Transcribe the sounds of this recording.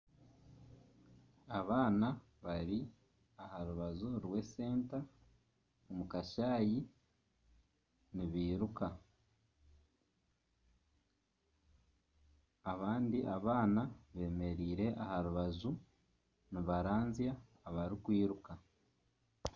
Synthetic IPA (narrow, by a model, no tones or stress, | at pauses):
aβaːna | βaɾi | ahaɾuβazuɾwe̞se̞ːnta | omukaʃaːji | niβiːɾuka | aβaːndiʔaβaːnaβe̞ːme̞ɾiːɾe̞ʔahaɾuβazu | niβaɾaːnzija | βaɾikwiːɾuka